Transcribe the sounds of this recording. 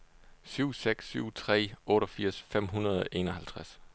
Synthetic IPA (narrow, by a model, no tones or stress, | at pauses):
syʊ̰seɡ̥syʊ̰t͡sʰʁɛ̰ːɔ̽ːɾɒfiɐ̰sfem̰ɦunɐð̞ˠɒʔe̝ːnɒhælt͡sʰʁas